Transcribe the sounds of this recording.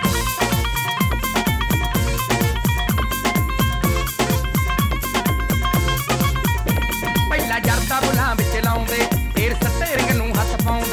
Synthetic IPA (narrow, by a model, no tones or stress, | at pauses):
pəiːlãːd͡ʒəɾt̪aːbʊlãːʋɪt͡ʃlaːʊ̃nd̪eːpʰeːɾsəʈ̪ːɪɾɪɡnũːɦət̪pãːʊ̃ːnd̪eː